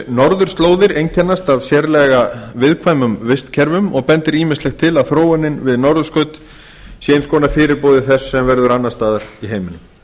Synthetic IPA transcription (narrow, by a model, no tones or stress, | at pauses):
nɔɾðʏɾ̥st̪loːwðɪɾejncʰɛnːast̪avsjɛɾlɛɣavɪðkʰvaːjmʏmvɪst̪cʰɛɾvʏmɔɣpɛnt̪ɪɾiːmɪnstlɛxt̪ʰɪlaðθɾoːwɛnːɪnvɪðnɔɾðʏ̥skœɥt̪ | sjɛjnskɔːnḁfɪːɾɪɾpoːwðɪθɛsːɛmvɛɾðʏɾanːast̪aːðaɾ̥iɦeːjmɪnːʏm